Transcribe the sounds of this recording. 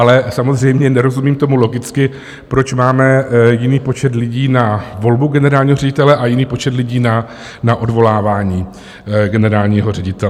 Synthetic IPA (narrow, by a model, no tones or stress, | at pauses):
ʔalɛsamo̞zrɛjmɲɛnɛɾo̞zumiːmt̪o̞mulo̞ɡɪt͡skɪ | pɾo̞t͡ʃmaːmɛjɪniːpo̞t͡ʃɛt̪lɪɟiːnavo̞lbuɡɛnɛɾaːlɲiːɦo̞rɛɟɪt̪ɛlɛʔajɪniːpo̞t͡ʃɛt̪lɪɟiːna | naʔo̞dvo̞laːvaːɲiː | ɡɛnɛɾaːlɲiːɦo̞rɛɟɪt̪ɛ